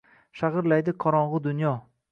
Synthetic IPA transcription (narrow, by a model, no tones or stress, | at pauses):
ʃaʁɨɾlajd̪ɪqʰɒɾɒɴʁɨd̪ʊnjɒ